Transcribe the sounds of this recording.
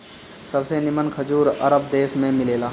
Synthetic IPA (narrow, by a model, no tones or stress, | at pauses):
səbsenɪmənkʰəd͡ʒuːɾə̰ɾəb̚d̪eːsmẽmɪleːlaː